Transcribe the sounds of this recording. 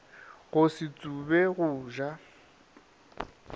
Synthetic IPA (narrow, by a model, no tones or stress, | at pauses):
ɣʊsɪt͡sʼubɛɣʊːʒa